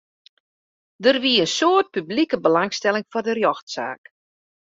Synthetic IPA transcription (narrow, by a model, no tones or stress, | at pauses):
dərʋiəənsoət̚pyblikəbəlaŋstɛlˠɪŋfɔrdərjɔxtsa̰ːk